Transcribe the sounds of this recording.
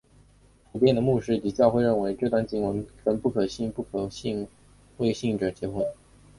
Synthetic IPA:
tu˨˩pjɛ˥˩nd̪ə˩mu˥˧ʂɻ̩˥˩t̪i˨˩t͡ɕjɑ˥˧ʊxwe˥˧ɪɻə˥˩nwe˧˥ɪʈ͡ʂɤ˥˧t̪wa˥˧nt͡ɕi˥ŋwə˧˥nfə˧˥npu˥˩kʰɤ˨˩ɕi˥˧ŋpu˥˩kʰɕi˥˩ŋ | we˥˧ɪɕi˥˩ŋʈ͡ʂɤ˨˩t͡ɕjɛ˧˥xwə˧˥n

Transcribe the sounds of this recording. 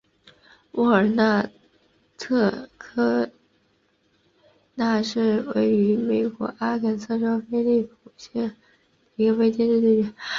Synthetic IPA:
wu˥˩ə˞˨˩na˥˩ | t̪ʰɤ˥˧kʰɤ˥ | na˥˧ʂɻ̩˥˩we˥˩ɪy˧˥me˨˩ɪkwɔ̰˧˥ʔa˥kʰə˨˩nsʰɤ˥˩˧ʂo˥ʊfe˥ɪli˥˩pʰu˨˩ɕjɛ˥˩n˨˩˥ | ɡə˧we˥ɪt͡ɕjɛ˥˧nʈ͡ʂi˥˩i˥˩˧

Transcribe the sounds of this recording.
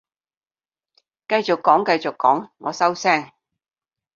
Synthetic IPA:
kɐ˧jt͡sʊ˨kːɔː˨˥ŋkɐ˧jt͡sʊ˨kːɔ̰ː˨˥ŋːɔː˨˧sɐ˥wsɛː˥ŋ

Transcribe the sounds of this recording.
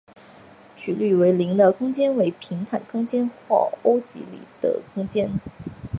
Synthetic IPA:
t͡ɕʰy˨˩ly˥˩we˧˥ɪli˧˥ŋd̪ə˧kʰʊ˥ŋt͡ɕjɛ˥nwe˧˥ɪpʰi˧˥ŋt̪ʰa˨˩nkʰʊ˥ŋt͡ɕjɛ˥nxwa̰˥˩o˥ʊt͡ɕḭ˧˥lḭ˨˩d̪̥ə̰˩kʰʊ˥ŋt͡ɕjɛ˥n

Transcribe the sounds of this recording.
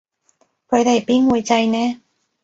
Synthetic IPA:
kʰɵ˨˧ɥt̪e˨˩jpiː˥nwuː˨˧jt͡sɐ˧jnɛː˥

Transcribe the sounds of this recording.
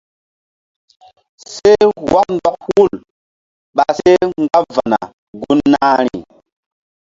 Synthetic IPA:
se˦wa˦k̚ndɔ˦k̚hu˦˨l | ɓa˨se˦ŋɡa˦va˨na˨ | ɡu˦nːa˦ɾi˨

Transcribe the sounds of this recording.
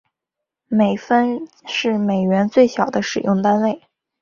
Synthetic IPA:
me˨˩ɪfə˥n | ʂɻ̩˥˩me˨˩ɪɥɛ˧˥nt͡swe˥˩ɪɕjɑ˨˩ʊd̪ə˦ʂɻ̩˨˩jʊ˥˧ŋt̪a˥nwe˥˩ɪ

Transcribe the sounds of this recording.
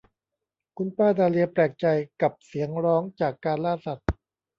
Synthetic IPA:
kʰu˧npaː˥˩daː˧li˧ɐpɾɛː˨˩k̚t͡ɕa˧jka˨˩p̚si˩˦əŋɾɔː˦˥ŋt͡ɕaː˨˩kːaː˧nlaː˥˩sa˨˩t̪̚

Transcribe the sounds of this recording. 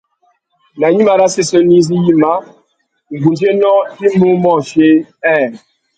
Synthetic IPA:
na˨ɲi˦ma˨ɾa˦se˦sə˦ni˦zi˦ji˦ma˦ | ŋ̩˨ɡu˨nd͡ʒe˦nɔ˦i˦mu˦mɔ˦˨fje˦ɛ˦˨

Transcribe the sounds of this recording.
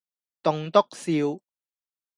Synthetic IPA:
t̪ʊ˧ŋt̪ʊ˥k̚siː˧w

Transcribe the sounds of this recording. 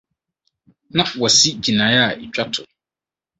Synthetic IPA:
nã˦wɔ˨si˦d͡ʑi˨nãː˨˦ja˦a˨e˨t͡ɕᶣa˦tʰʊ˨

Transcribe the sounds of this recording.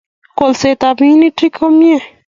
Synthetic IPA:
ko˨lse˨t̪a˨bĩ˦ni˦ʈɾi˦kʰo˦mie˦

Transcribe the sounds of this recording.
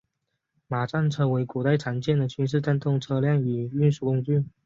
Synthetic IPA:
ma˨˩ʈ͡ʂa˥˧nʈ͡ʂʰɤ˥˩we˧˥ɪku˨˩t̪a˥˩ɪʈ͡ʂʰa˧˥nt͡ɕjɛ˥˩nd̪ə˩t͡ɕʰy˥nʂ̬ɻ̩˥˧ʈ͡ʂa˥˧nt̪ʊ˥˩ŋʈ͡ʂʰɤ˥ljɑ˥˩ŋy˨˩y˥˧nʂu˥˩kʊ˥ŋt͡ɕy˥˩n

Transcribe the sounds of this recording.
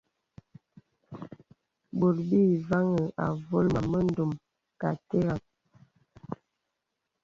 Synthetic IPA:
bo˨lbi˦˨va˦ŋə˨a̰˨vo˦lma˨mə˦n̩˦do˨m | ka˨te˦ɣa˨ŋ

